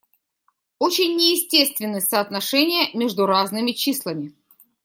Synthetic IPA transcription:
ot͡ɕɪnʲːɪjɪsʲtʲest̪vʲɪnːɨsəːt̪nɐʂɛnʲɪjəmʲeʐd̪ʊɾaznɨmʲɪt͡ɕislˠəmʲɪ

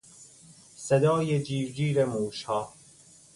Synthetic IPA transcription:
sed̪ɒːjed͡ʒiːvd͡ʒiːɾemuːʃhɒː

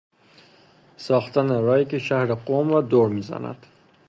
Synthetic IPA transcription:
sɒːxt̪ʰæneɾɒːjikeʃæhɾeɡomɾɒːd̪oɾmiːzæ̰næ̰d̪̥

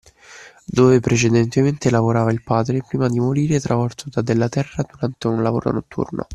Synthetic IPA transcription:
d̪oːvepɾʔet͡ʃed̪ɛnt̪ement̪elavoɾaːvailpaːd̪ɾepɾiːmad̪imoɾiːɾet̪ɾavɔrt̪od̪ad̪elːat̪ɛrːad̪uɾant̪eunlavo̰ːɾo̰not̪ʰːṵrno̰

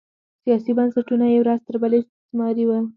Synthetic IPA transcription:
sijɑsibansaʈunajawɾazt̪əɾbaleʃ | smɑɾiwə

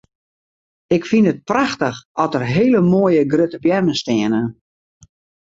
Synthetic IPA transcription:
ɪkfinət̚praxtəxɔtərɦeːləmoːjəɡrøtəpjɛrməstɪənə

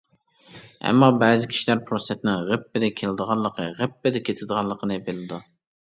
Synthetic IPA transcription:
ɛ̰mːɑbɛːzɪkʲʰi̥ʃilæɾpʰɾosɛt̪nɪŋʁəpːɪd̪ɛkʲʰelɪd̪əʁɑlˠːəqʰəʁəpːɪd̪ɛkʲʰet̪ʰɪd̪əʁɑlˠːəqʰənɨbelɪd̪u

